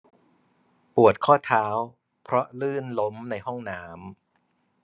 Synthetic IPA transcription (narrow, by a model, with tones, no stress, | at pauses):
pu˨˩ət̪̚kʰɔː˥˩t̪ʰaː˦˥w | pʰɾɔ˦˥lɯː˥˩nlo˦˥mna˧jɦɔ˥˩ŋnaː˦˥m